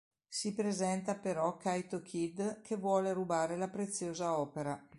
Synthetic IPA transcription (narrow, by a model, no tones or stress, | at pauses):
sipɾezɛnt̪apeɾɔkːajt̪okʰid̪kʰevwɔːlerubaːɾelapɾet̪sːjoːzaɔːpeɾa